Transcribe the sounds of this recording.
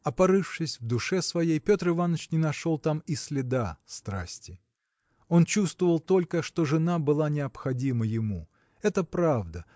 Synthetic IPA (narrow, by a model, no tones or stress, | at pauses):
ɐpɐɾɨfʂɨsʲvd̪ʊʂɛsvɐjejpʲo̞t̪rɨvanːət͡ɕnʲɪnɐʂo̞lˠt̪amɪsʲlʲɪd̪ast̪ɾa̰sʲtʲɪ | o̞nt͡ɕust̪vəvəlˠt̪o̞lʲkəʂt̪o̞ʐɨnabɨlˠanʲɪɐpxɐdʲiməjɪmu | ɛt̪əpɾavd̪ə